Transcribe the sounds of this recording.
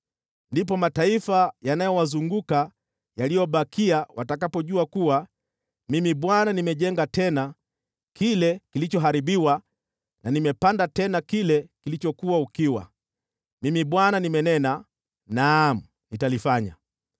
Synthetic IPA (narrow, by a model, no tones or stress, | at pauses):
ndip̬ɔmataifajanajɔwazuŋɡuka | jalijɔɓakʰiawatakapɔʄuakuwa | mimiɓwananimɛʄɛŋɡatɛna | kilɛkilit͡ʃɔɦaɾiɓiwa | nanimɛpandatɛnakilɛkilit͡ʃɔkuwaukiwa̰ | mimiɓwananimɛnɛna | nam̩ | nitalifaɲa̰